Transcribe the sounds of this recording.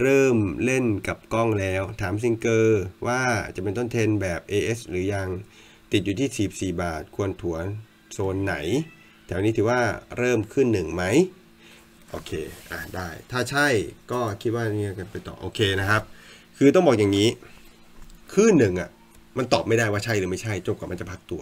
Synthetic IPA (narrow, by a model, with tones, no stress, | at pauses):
ɾɤː˥˩mle˥˩nka˨˩p̚kɔ˥˩ŋlɛː˦˥wt̪ʰaː˩˦ms̬i˧ŋkɤː˧waː˥˩t͡ɕa˨˩pe˧nt̪̬o˥˩nt̪ʰe˧nbɛː˨˩p̚ʔeː˧ʔe˦˥sɾɯː˩˦ja˧ŋ | t̪i˨˩juː˨˩t̪ʰiː˥˩si˨˩p̚siː˨˩baː˨˩t̪̚kʰu˧ənt̪ʰu˩˦ɐ | soː˧nːa̰˩˦j | t̪ʰɛː˩˦wniː˦˥t̪ʰːwaː˥˩ɾɤː˥˩mkʰɯ˥˩˨nːɯ˨˩ŋma˦˥j | ʔoː˧kʰeː˧ʔa˧˩daː˥˩jt̪ʰaː˥˩t͡ɕʰa˥˩jkɔː˥˩kʰi˦˥t̪̚waː˥˩niː˥˩a˧ka˧˩pa˧jt̪ɔ̰ː˨˩ʔoː˧kʰeː˧na˦˥kʰa˦˥p̚ | kʰɯː˧t̪ɔ˥˩ŋbɔː˨˩k̚ja˨˩ŋːiː˦˥ | kʰɯː˥˩nːɯ˨˩ŋʔa˨˩ | ma˧nt̪ɔː˨˩p̚ma˥˩jdaː˥˩jwaː˥˩t͡ɕʰa˥˩jɾɯ˩˦ma˥˩t͡ɕʰa˥˩jt͡ɕo˧˩p̚kaː˨˩ma˧nt͡ɕa˨˩pʰa˦˥k̚t̪u˧ɐ